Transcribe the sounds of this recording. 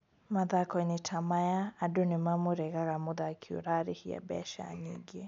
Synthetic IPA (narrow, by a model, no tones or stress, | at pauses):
maðakɔnitʰamajaːdunimamuɾɛɣaɣamuðakʰiṵɾaɾihija̰bɛ̰ʃa̰ɲḭŋɡi